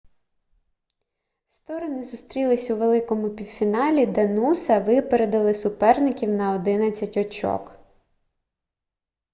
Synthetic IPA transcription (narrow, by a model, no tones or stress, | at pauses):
st̪ɔɾɔnɪzʊst̪ɾʲilˠɪsʲuʋe̞lˠɪkɔmʊpʲiwfʲinɑlʲid̪ɐnusɐʋɪpeɾed̪ɐlˠɪsʊpɛrnɪkʲiwnɐɔd̪ɪnɐt͡sʲːɐtʲɔt͡ʃɔ̰k